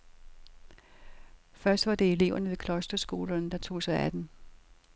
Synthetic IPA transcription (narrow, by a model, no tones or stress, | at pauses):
fɶɐsd̥ʋɑ̈d̥e̝e̝le̝ʊ̰ɐnəʋe̝kʰlɒ̽sd̥ɐsɡ̥o̝̰ːlɐnd̥ɑ̈t͡sʰo̝̰ːsɑ̈ɪæd̥em